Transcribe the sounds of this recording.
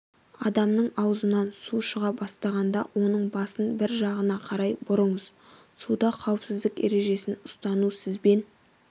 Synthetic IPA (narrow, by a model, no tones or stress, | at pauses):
ɑd̪ɑmnəɴɑwzənɑnsuʃəʁɑbɑst̪ɑʁɑnd̪ɑ̰wʔo̞nəɴbɑsənbɪɾʒɑʁənɑqʰɑɾɑjbʊɾəɴəz̥ | sud̪ɑqʰɑwəpsɪzd̪ɪke̞̰ɾe̞ʒe̞sɪnʊ̥st̪ɑnusɪzbe̞n